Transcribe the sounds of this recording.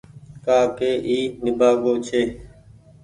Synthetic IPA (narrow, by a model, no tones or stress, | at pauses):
kaːkeːʔiːnɪbʱaːɡoːt͡ʃʰeː